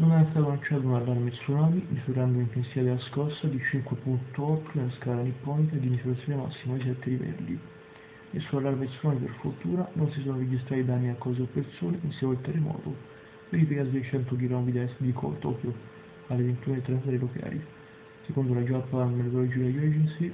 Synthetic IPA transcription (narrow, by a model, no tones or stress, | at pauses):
nonɛast̪aːt̪onat͡ʃːaːt̪̬unalːarmesunɔːlimizuɾand̪oint̪ensit̪ad̪elːaskɔsːad̪it͡ʃiŋkwepunt̪oɔt̪ːonelaskaːlanipːɔːnikad̪imizuɾat̪sːjoːnema̰sːimad̪is̬ɛt̪ːelivɛ̰ld̪ḭ | nḛlsuːalːaɾmesunaːliperfort̪uːɾanonsis̬oːnoɾed͡ʒist̪ɾaːt̪id̪anːiakːɔːzeopːert̪soːneʔinsɛvoilt̪erːemɔ̰ːt̪o | veɾiːfikasid̪ejt͡ʃɛnt̪okilɔmid̪aɛsd̪ikʰɔ̰lt̪ɔ̰kjo | alːevent̪uːnet̪ːɾɛnt̪at̪ɾeloka̰ːlḭ | sekond̪olad͡ʒapːanmet̪od̪ɔlɔd͡ʒikajɛd͡ʒensi